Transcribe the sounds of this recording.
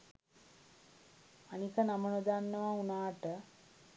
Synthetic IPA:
anikənamənəd̪anːəʋaunaːʈə

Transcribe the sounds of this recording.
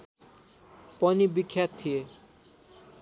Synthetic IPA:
pɔnibikʰːjat̪ʰːie

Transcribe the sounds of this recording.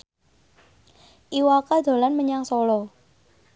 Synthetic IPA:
ʔiwakad̪̥o̤lanməɲaŋsɔlɔ

